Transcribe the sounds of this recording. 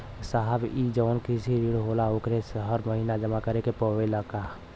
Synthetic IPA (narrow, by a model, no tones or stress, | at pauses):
saɦəbid͡ʒɔʊnkisiɾiɽɦoːlaokɾesɦəɾməɦiːnad͡ʒəmakəɾekepɔʋeləka